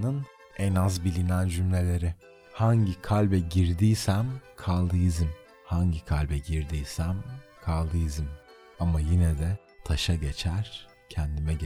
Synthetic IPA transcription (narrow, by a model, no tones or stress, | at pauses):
nɯn | ɛnazbilʲinænd͡ʒymlʲe̞lʲe̞ɾɪ | haɲɟikʰalʲbɛɟiɾd̪iːsæmkʰalˠd̪ɯjɯzɯm | haɲɟikʰalʲbɛɟiɾd̪iːsæmkʰalˠd̪ɯjɯzɯm | amajinɛd̪ɛ | t̪ʰaʃaɟe̞t͡ʃʰæɾ̥ | cʰɛnd̪imɛɟ